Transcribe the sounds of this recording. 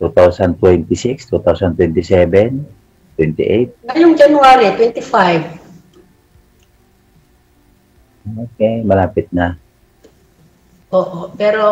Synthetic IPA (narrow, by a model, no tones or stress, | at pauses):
t̪ut̪ausant̪wɛnt̪isikst̪ut̪ausant̪wɛnt̪isɛbɛn | t̪wɛnt̪ḭʔet̪̚ŋaɲuŋd͡ʒanuaɾit̪wɛnt̪ifajv | okemənapit̪̚nah | oʔɔpɛɾɔ